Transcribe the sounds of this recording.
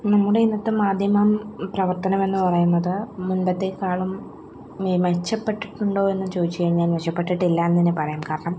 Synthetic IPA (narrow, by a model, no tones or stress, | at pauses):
nɐmːuɽe̞inːɐt̪ːɨmaːd̪ʱjɐmamprɐʋɐrt̪ɐnɐme̞nːɨpɐrɐjunːɐðɨːunbɐt̪ːe̞kːaːɭum | imet͡ɕːɐpːe̞ʈːiʈːuɳɖo̞ːe̞nːumt͡ɕoːðit͡ɕːɨkɐɻiɲːaːnʋɐɕɐpːe̞ʈːiʈːilːaenːɐinːepɐrɐjumkaːɾɐɳɐm